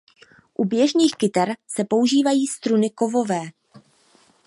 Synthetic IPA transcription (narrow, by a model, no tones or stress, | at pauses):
ʔubjɛʒniːxkɪt̪ɛɾsɛpo̞uʒiːvajiːst̪ɾunɪko̞vo̞vɛː